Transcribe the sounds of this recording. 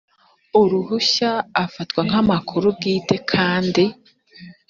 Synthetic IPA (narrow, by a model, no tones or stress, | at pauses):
uɾuɦuɕaːfatkwaŋ̥amakʰuɾub̚ɡiːte̞kʰaːndi